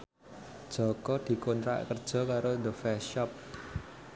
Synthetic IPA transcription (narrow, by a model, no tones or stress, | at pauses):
d̥ʒ̥ɔ̤kɔd̪̥i̤kont̪ɾa̰ʔkərd̥ʒ̥ɔ̤kaɾod̪əfɛʃɔp̚